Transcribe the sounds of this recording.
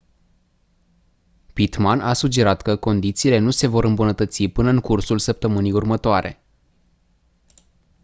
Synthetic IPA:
pit̪manʔasud͡ʒe̞ɾat̪kəko̞nd̪it̪siːle̞nuse̞vo̞ɾɨmbunət̪ət̪sipɨnəɨŋkursulsəp̚t̪əmɨnijurmət̪oaɾe̞̰

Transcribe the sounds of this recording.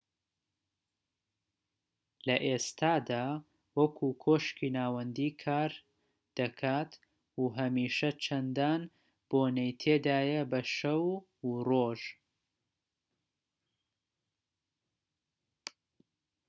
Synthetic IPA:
lɐʔeːst̪ʰaːd̪aː | wɐkʰukʰoːʃkiːnaːwɐnd̪iːkʰaːɾ | d̪̥ɐkʰat̪ | uɦɐmiːʃɐt͡ʃʰɐnd̪aːn | b̥oːnɐjt̪ʰeːd̪aːjɐbɐʃɐw | roːʒ

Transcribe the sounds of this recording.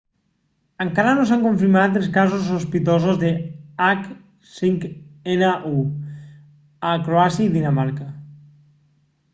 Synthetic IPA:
əŋkaɾanosaŋkoɱfiɾmat̪elˠskazosospit̪ozozðeak | siŋkenaʔu | akɾoasjaiðinamaɾka

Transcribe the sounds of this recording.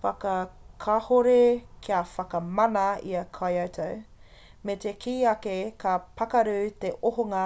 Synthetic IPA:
fɐkɐkʰɐhoɾekʰiɐfɐkɐmɐnɐḭɐkʰajɐwtʰɐw | met̪ekʰiːɐkekʰapʰɐkɐɾʉːt̪eʔoɦoŋɐ

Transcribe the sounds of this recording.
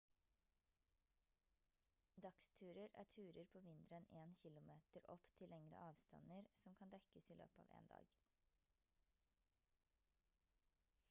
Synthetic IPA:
d̪ɑkst̪ʰʉːɾəɾæ̰ːtʰʉːɾəɾpʰoːʋɪnd̪ɾəɛneːnçɪlʊmeːt̪əɾʔɔpt̪ʰɪlɛŋɾə̰ʔɑːʋst̪ɑ̰nəɾsɔmkʰɑnd̪ɛkəsiːlø̰ːpəɑ̰ːʋḛːnd̪ɑ̰ːɡ

